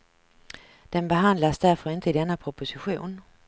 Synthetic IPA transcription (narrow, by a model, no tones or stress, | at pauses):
d̪̥enbeɦand̪lɐsd̥æɐfɒʁɪnt̪ʰəidenəpʰʁopʰosiɕṵːn